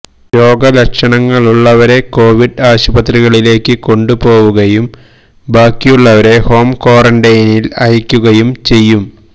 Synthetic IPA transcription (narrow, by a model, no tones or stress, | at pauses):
ɾo̞ːɡɐlɐkʂɐɳɐŋːɐɭuɭːɐʋɐɾe̞ko̞ːʋiɖaːɕubɐt̪riɣɐɭile̞ːkːɨko̞ɳɖupo̞ːʋuɣɐjum | baːkːijuɭːɐʋɐɾe̞ho̞ːmko̞ːrɐɳɖɐjnilɐjikʲːuɣɐjumt͡ɕe̞jːum